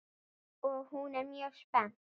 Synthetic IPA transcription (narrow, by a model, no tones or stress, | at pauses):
oːhuːnamjoχʃpa